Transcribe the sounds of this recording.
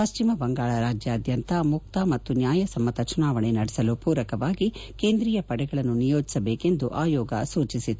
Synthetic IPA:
pɐʃt͡ʃimɐbɐŋɡaːɭɐɾaːd͡ʒjɐːd̪jɐnt̪ɐmuk̚t̪ɐmɐt̪ːunjaːjɐsɐmːɐt̪ɐt͡ʃunaːʋɐɳenɐɽɛsɐlupuːɾɐkɐʋaːɡike̞ːnd̪ɾijɐpɐɽɛɡɐɭɐnːunijo̞ːd͡ʒi̥sɐbeːke̞nd̪uʔaːjɔːɡɐ̰suːt͡ʃisit̪ːu

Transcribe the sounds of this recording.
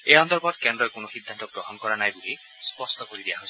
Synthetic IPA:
ejɔnt̪ɔɾbɔt̪kend̪ɾɔjkonoxid̪ʱːant̪ɔɡɹɔɦɔnkɔɹanajbuli | spɔstɔkoɾid̪ijaɦos

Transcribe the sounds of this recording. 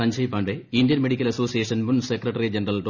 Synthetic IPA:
ɐɲd͡ʑɐjipːaːɳɖeindjɐnmeɽikʲːɐlɐso̞ːsijeʂɐnmunsekrɐʈːɐrid͡ʑenɐrɐlʈ

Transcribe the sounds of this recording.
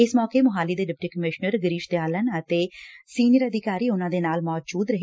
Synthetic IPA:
ɪsmɔːkeːmʊɦaːliːd̪eːɖɪp̚ʈiːkəmɪʃnəɾɡəɾiːʃt̪eaːlənət̪eːsiːnɪjəɾəd̪ʱɪkaːɾiːʊnãːd̪eːnaːlmɔːd͡ʒuːd̪ɾəɦe

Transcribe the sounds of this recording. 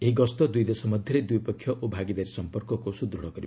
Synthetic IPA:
eɦiɡɔst̪ɔd̪ujd̪esɔmɔd̪ʱjʌɾed̪ujpɔkʰːjɔʔobʱaɡid̪aɾisɔmpɔɾkɔkosud̪ɾuɽɔkɔɾi

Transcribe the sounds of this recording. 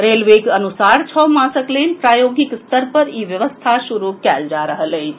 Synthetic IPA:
ɾelʋekənusaɽt͡ʃʰəmasəkləjnpɾajoɡikst̪əɾpəɾiʋjəʋəst̪ʰaʃuɾukɛld͡ʒaɾəɦələj

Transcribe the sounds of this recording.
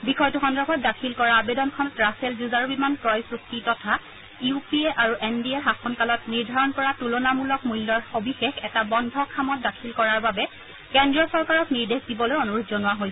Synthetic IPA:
bixɔjtuxɔnɹɔbʰʱɔt̚dakʰilkɔɹaːbedɔnkʰɔnɔtɹaselzuzaɹbimanpɹɔjpɹuk̚titɔtʰa | jiupieʔaɹuʔɛndieɦaxɔnkalɔtniɹdʱaɹɔnkɔɹatulonamulɔkmujlːɔɹobʱixexɛtabɔndʱɔkʰamɔt̚dakʰilkɔɹaɹbabɛ | kɛndɹiɔsɔɹkaɹɔkniɹdexdibɔlojɔnuɹutzɔnʊwaɦojsɛ

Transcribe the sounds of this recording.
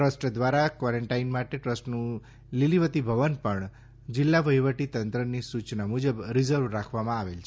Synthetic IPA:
ʈɾəsʈd̪ʋaɾakʋaɾəɳʈainmaʈeʈɾəsʈnũ | liliʋət̪ibʱəʋənpəɳ | d͡ʒɪlːaʋəjʋəʈit̪ənt̪ɾənisut͡ʃnamud͡ʒəbɾizəɾʋɾakʰʋamãaʋelt͡ʃʰe

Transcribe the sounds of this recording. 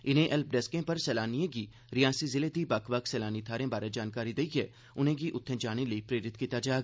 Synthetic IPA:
ɪnẽʔɛlp̚ɖɛskẽpɐɾsɛːlaːnijẽɡi | ɾijãːsizɪled̪ibɐkʰʋɐksɛːlaːnit̪ʰaːɾẽbaːɾɛd͡ʒaːnkaːɾid̪eiɡɛː | ʊn̤ẽɡiʔʊt̪ʰːẽd͡ʒaːɽ̃eləipɾeːɾɪt̪kiːt̪ad͡ʒaːeɡa

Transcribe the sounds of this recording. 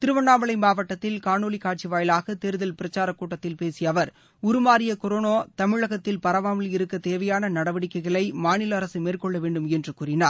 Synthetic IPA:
t̪ɪɾɯʋɐnːaːmɐɭɐɪmaːʋɐʈːɐt̪ːɪlkaːɳoːɭɪkaːr̚t͡ʃiʋaːjɪlaːɣɐt̪eɾɯðɐlpɪɾɐt͡ʃːaːɾɐkːuːʈːɐt̪ːɪlpeːsɪjɐʋɐɾ | ʊɾɯmaːɾɪjɐkɔɾoːnoːt̪ɐmɪɻɐɣɐt̪ːɪlpɐɾɐʋaːmɐlɪɾɯkːɐt̪eːʋɐjaːnɐnɐɽɐʋɐɽɪkːɐɪɣɐɭɐɪmaːnɪlɐːɾɐsɯmeːrkɔɭːɐʋeːɳɖɯmɛndrɯkuːɾɪnaːɾ

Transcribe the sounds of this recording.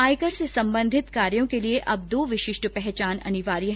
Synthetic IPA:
aːjkəɾsesɐ̃mbə̃nd̪ʱɪt̪kaːɾjõkelieʔʔɐb̚d̪oːʋɪʃɪʃʈəpɛɦɛt͡ʃaːnɐ̰nɪʋaːɾijɦ

